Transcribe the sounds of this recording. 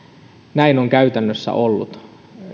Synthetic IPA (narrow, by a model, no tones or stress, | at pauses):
næinoŋkæyt̪ænːøsːæ̰ʔolːṵt̪